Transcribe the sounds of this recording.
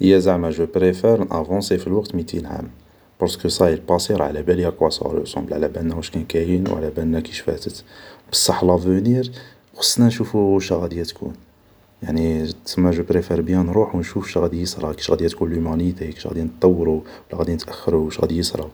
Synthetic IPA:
ʔəjːæzaʕmæʒəpɾefɛɾnʔæ̰vɑ̃sefilwɑqt̪mit̪ʰinʕa̰m | pɑɾˤsə̥kəsˤɑjəlpɑsiɾʕlæbæljæqwæsɑ̰lə̰sɑ̰mbəlʕlæbænːæwəʃkænkæjənwʕlæbænːækiʃfæ̰t̪ət̪b̥ə̥sˤːɑħlɑvəniɾ | xɑ̥sˤːnænʃufuʃæɣæd̪ijæt̪kʰṵn | jaʕnisəmːæʒəpɾefɛɾbjæ̃nɾˤuħwnʃufʃæɣæd̪ijəsˤɾˤɑki̥ʃɣæd̪ijæt̪kunlumænit̪æjki̥ʃɣæ̰d̪inət̪ˤːɑwːɾu | wlæɣæd̪inət̪ʔæxːəɾuʃɣæ̰d̪ijəsɾˤɑ̰

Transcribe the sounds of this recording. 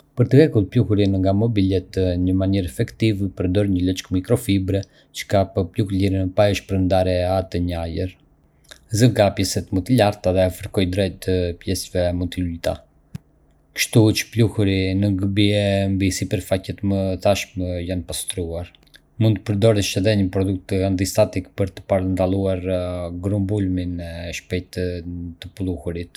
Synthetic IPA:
pəɾt̪əhɛkulˠpluhuɾinəŋɡamɔbilɛt̪ɲəmaniɾɛfɛkt̪ivpəɾd̪ɔɾɲələt͡ʃkmikɾɔfibɾɛ | t͡ʃə̥kapəplukliɾinəpajəʃpəɾnd̪aɾɛat̪əɲajəɾ | zəɡapjɛsɛt̪mut̪ilaɾt̪aðɛafəɾkɔjd̪ɾɛt̪pjɛsvɛmunt̪ilujt̪a̰ | kə̥ʃt̪ut͡ʃə̥pluhuɾinəŋɡəbiɛmbisipəɾfacɛt̪məθaʃməjanpast̪ɾuaɾ | mund̪t̪əpəɾd̪ɔɾəʃɛðɛɲəpɾɔd̪uk̚t̪ant̪ist̪at̪ikpəɾt̪ə̥paɾənd̪alˠuaɾɡɾumbulminɛʃpɛjt̪t̪əplˠuhuɾit̪

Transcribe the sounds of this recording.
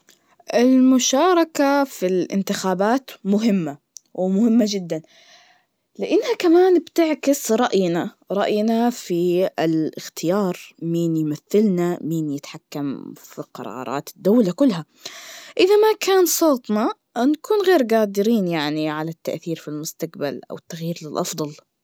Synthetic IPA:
ʔɪlmʊʃɑːɾˤɑkafilʔɪ̰nt̪ɪxaːbaːt̪mʊɦɪmːa | wɪmʊhɪmːad͡ʒɪd̪ːan | lɪʔɪnːhakamaːnbt̪ɪʕkɪsɾˤɑʔjna | ɾˤɑʔjnafiɪlɪxt̪ʰɪjɑːɾˤmiːnjmaθːɪlnamiːnjɪt̪ħakːamfiqɑ̰ɾˤɑ̰ːɾˤɑ̰ːt̪ɪ̥d̪ːaːlakʊlːɦa | ʔɪðamakaːnsˤoːt̪nɑ | nkuːnɣeːɾɡaːd̪ɪɾiːnjaʕniʕalat̪ːaʔθiːɾfilmʊst̪aqbalʔa̰wɪt̪ːaɣjiːɾlɪlʔɑfd̪ˤɑl

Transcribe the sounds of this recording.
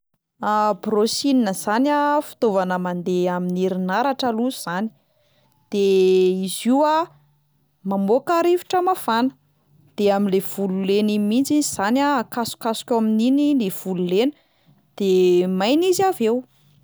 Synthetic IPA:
abrosininəz̥anafi̥t̪ovanəmand̪eaminiɾinaɾaʈ͡ʂəluzuz̥ani̥ | d̪̥eiziwa | mambokaɾivi̥ʈ͡ʂəmafanə̥ | d̪̥eaminlev̥ululenimint͡siziz̥anakasu̥kasu̥kʲamininilev̥ululenə̥ | d̪̥emajnizavew

